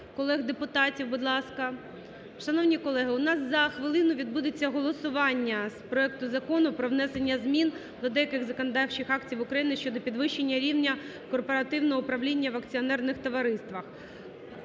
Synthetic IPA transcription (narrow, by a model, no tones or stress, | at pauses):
kɔlˠɛɣd̪epʊt̪ɑtʲiwbʊd̪lˠɑskɐ | ʃɐnɔwnʲikɔlˠɛɦɪʊnɑszɐxʋɪlˠɪnʊʋʲid̪̚bud̪et͡sʲːɐɦɔlˠɔsʊʋɑnʲːɐspɾɔɛk̚t̪ʊzɐkɔnʊpɾɔʋnɛsenʲːɐzmʲin | d̪ɔd̪ɛjɐkɪɣzɐkɔnɐd̪ɑwt͡ʃɪxɑkt͡sʲiwʊkɾɐjinɪʃt͡ʃɔd̪ɔpʲid̪ʋɪʃenʲːɐɾʲiwnʲɐ | kɔrpɔɾɐt̪ɪwnɔɦɔʊpɾɐʋlʲinʲːɐʋɐkt͡sʲiɔnɛrnɪxt̪ɔʋɐɾɪst̪ʋɐx